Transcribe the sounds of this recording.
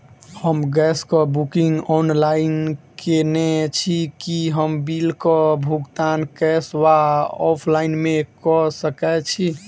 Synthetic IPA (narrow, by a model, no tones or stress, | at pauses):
həmɡɛskɔbukiŋɡɔnlainkenet͡ʃʰikiɦəmbilkɔbʱuɡt̪ankɛswaɔpʰlainmekɔsəkɛt͡ʃʰi